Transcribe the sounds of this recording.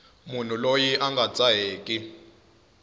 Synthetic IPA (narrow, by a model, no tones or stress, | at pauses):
mun̤ulojiʔaŋɡʱat͡sʼaɦeːkʼi